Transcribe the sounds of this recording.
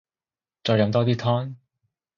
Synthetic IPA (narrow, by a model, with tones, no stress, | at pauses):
t͡sɔː˧jɐ˧mt̪ɔː˥t̪iː˥t̪ʰɔː˥ŋ